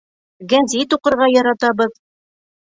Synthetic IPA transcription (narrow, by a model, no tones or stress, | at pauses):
ɡænzit̪uqɤ̆ɾʁɑjɒɾɑt̪ɑβɤð